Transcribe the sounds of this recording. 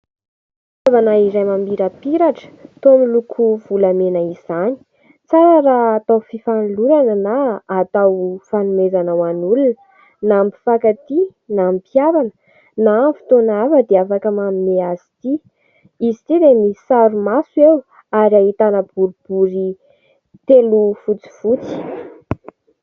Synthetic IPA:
avanaiɾajmambiɾapiɾaʈ͡ʂə̥t̪omilukʰuv̥ulamenəiz̥ani̥ | t͡saɾaɾaːt̪awfifanluɾanənaːt̪awfanumezanəwanulun | nampi̥fakat̪inaampjavanə̥ | namfi̥t̪onavəd̪eafakəmamineazi̥t̪i | izit̪iɾemisaɾumasuew | aɾiaɦit̪anəbuɾub̥uɾi | t̪elufut͡si̥fut͡si̥

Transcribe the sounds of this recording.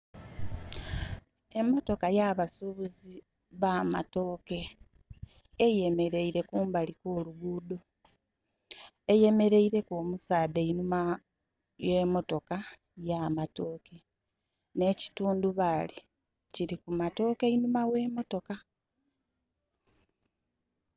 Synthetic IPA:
e̞mːo̞to̞kajaβasuβuzi | βaːma̰to̞ːke̞ | eje̞me̞ɾe̞iɾe̞kuːmbalikoːluɡuːdo̞ | eje̞me̞ɾe̞iɾe̞koːmusaːdeinuma | jwe̞ːmo̞to̞ka | jamato̞ːke̞ | ne̞ːci̥tuːnduβali | ciɾikumato̞ːke̞inumawe̞ːmo̞to̞ka

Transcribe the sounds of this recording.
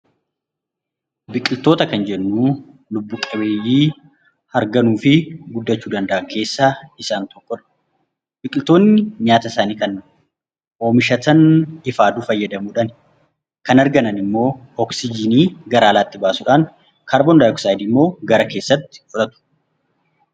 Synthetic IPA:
bɪkʼɪlt̪o̞ːt̪ɐkɐnd͡ʒɛnːuː | lʊbːʊkʼɐbe̞ːjːiː | hɐɾɡɐnuːfɪɡʊd̪ːɐt͡ʃːuːd̪ɐnd̪ɐʔɐkʰe̞ːsːaːɪsaːnt̪ɔkːɔᶑɐ̥ | bɪkʼɪlt̪o̞ːnːɪɲaːt̪ɐsaːniːkɐn | ʔo̞ːmɪʃɐt̪ɐnɪfaːd̪uːfɐjːɐd̪ɐmuːᶑɐn | kɐnɐɾɡɐnɐnɪmːo̞ː | ɔksɪd͡ʒɪniːɡɐɾaːlaːt̪ːɪbaːsʊᶑaːn | kaːɾbɔnd̪aːjɔksaːjd̪iːmːo̞ːɡɐɾɐke̞ːsːɐt̪ːɪ̥fʊᶑɐt̪ʊ̥

